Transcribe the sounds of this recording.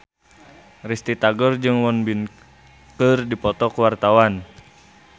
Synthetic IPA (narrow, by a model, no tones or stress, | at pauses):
rist̪it̪aɡɔrd͡ʒɨŋwɔnbin | kərdipɔt̪ɔkəwart̪awan